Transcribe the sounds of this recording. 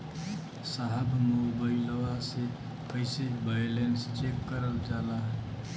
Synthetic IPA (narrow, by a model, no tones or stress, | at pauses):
saɦəbʱmobaɪləʋase | pʰəɪsebajlenst͡ʃekːəɾəld͡ʒalaɦə